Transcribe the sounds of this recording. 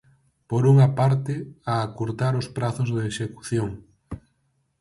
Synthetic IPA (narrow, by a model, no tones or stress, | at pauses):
poɾuŋapaɾt̪ɪaːkuɾt̪aɾospɾaθozðeʃeku̥θjoŋ